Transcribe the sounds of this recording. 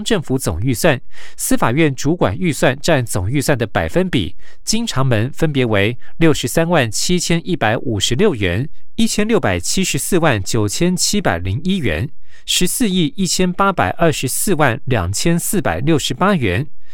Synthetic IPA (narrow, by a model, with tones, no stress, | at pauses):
ŋʈ͡ʂɤ˥˩ŋfu˧˥t͡sʊ̰˨˩ŋy˥˧swa˥˩nsɹ̩˥fa˨˩ɥɛ˥˩nʈ͡ʂu˧˥kwa̰˨˩ny˥˧swa˥˧nʈ͡ʂa˥˩nt͡sʊ˨˩ŋy˥˧swa˥˩nd̪ə˩pa˨˩ɪfə˥npḭ˨˩˦t͡ɕi˥ŋʈ͡ʂʰɑ˧˥ŋmə˧˥nfə˥npjɛ˧˥we˧˥ɪljo˥˩ʊʂɻ̩˧˥sa˥nwa˥˩nt͡ɕʰi˥t͡ɕʰjɛ˥nʔi˥pa˧˥ɪʔu˨˩ʂɻ̩˧˥ljo˥˩ʊɥɛ̰˧˥ni˥t͡ɕʰjɛ˥nljo˥˩ʊpa˨˩ɪt͡ɕʰi˥ʂɻ̩˧˥sɹ̩˥˧wa˥˩nt͡ɕjo˨˩ʊt͡ɕʰjɛ˥nt͡ɕʰi˥pa˨˩ɪli˧˥ŋi˥ɥɛ̰˧˥n | ʂɻ̩˧˥sɹ̩˥˧i˥˩i˥˩t͡ɕʰjɛ˥npa˥pa̰˨˩ɪʔə˞˥˩ʂɻ̩˧˥sɹ̩˥˧wa˥˩nljɑ̰˨˩ŋt͡ɕʰjɛ˥nsɹ̩˥˩pa̰˨˩ɪljo˥˩ʊʂɻ̩˧˥pa˥ɥɛ˧˥n